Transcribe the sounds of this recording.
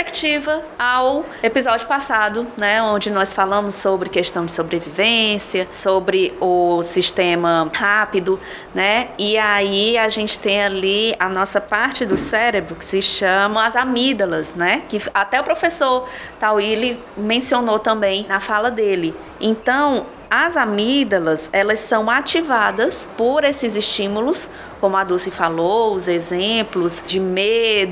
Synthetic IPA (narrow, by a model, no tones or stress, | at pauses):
ekt͡ʃivɐaw | epizɔd͡ʒjʊpasad̪ʊnɛõd͡ʒɪnɔsfalɐ̃mʊsːobɾɪkeʃt̪ɐ̃w̃d͡ʒɪ̥sobɾevivẽsjɐsobɾɪʊsiʃt̪ẽmɐhapid̪ʊ | nɛiaiaʒẽnt͡ʃɪ̥t̪ẽj̃aliɐnɔsɐpaɾt͡ʃɪd̪ʊsɛɾebɾʊkɪ̥sɪʃɐ̃mɐ̃w̃azamid̪ɐlɐsnɛkɪat̪ɛʊpɾofesoɾt̪awielɪ | mẽsionot̪ɐ̃mbẽj̃nɐfalɐd̪elɪ | ẽnt̪ɐ̃w̃ | ɐzamid̪ɐlɐzɛlɐsːɐ̃w̃at͡ʃivad̪ɐspoɾesɪzɪʃt͡ʃĩmulʊs | kõmʊad̪usifaloʊzezẽplʊzd͡ʒɪmed̪ʊ